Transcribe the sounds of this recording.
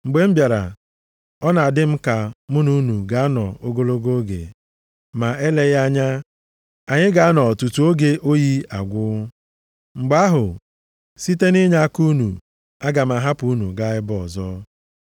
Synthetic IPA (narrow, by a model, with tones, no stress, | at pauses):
ŋ͡m̩˨ɡ͡be˨m̩˦bja˨ɾa̰˨ | ɔ˦na˨a˨dɪ˦m̩˦ka˨mʊ˦nu˦nu˨ɡa˨a˦nɔ˨o˦ɡo˦lo˦ɡo˦ɡḛ˨ | ma˨e˦le˦ɣa˦ɲa˦ | a˨ɲɪ˦ɡa˨a˦nɔ˨tu˨tu˨˦o˦ɡe˦ʔo˦ji˦a̰˨ɡʷʊ˦ | ŋ͡m̩˨ɡ͡ba˦ɦʊ˨ | si˦te˦ni˦ɲa˦ku˦nṵ˨ | a˦ɡa˨m̩˨a˨ɦa˦pu˨˦nu˨ɡa˨ɪ˦bɔ˨zɔ˦